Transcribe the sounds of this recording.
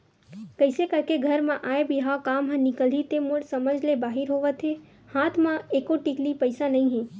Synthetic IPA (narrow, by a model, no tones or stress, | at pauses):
kəɪsekəɾkeɡʱəɾmãʔaːebʱiɦakaːmɦə̃nɪkəlit̪emoɽsəməd͡ʒʱlebaːɦɪɾɦoːʋət̪ʰe | haːt̪ʰmãeːkoʈiklipəɪsanɐĩɦẽː